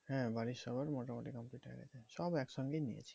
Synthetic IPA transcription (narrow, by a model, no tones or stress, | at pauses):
ɦɛ̃baɾiʃɔbaɾmoʈamoʈikɔmpliʈɦḛɡḛt͡ʃʰeʃɔbɛksʰɔnkenḭḛt͡ʃʰi̥